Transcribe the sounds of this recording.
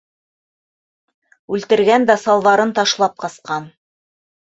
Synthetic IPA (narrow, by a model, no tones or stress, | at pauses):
ʉlt̪ɘ̆ɾɡænd̪æsɑlˠðɑɾɤnt̪ɑʃlˠɑp̚qɑsqɑn